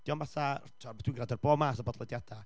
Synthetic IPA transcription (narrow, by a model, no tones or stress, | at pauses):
d̥iɔnmaθatʰɔatʰwinɡradɔrboːmasɔbɔːdlˠɔdjad̥a